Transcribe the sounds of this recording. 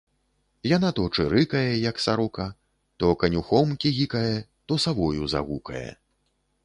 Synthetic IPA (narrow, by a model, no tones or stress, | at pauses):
janat̪ɔt͡ʂɨɾɨkɐjɛjɐksaɾɔkɐ | t̪ɔkɐnʲuxɔmkʲiɣʲikɐjɛt̪ɔsavɔjuza̰ɣukɐ̰jɛ̰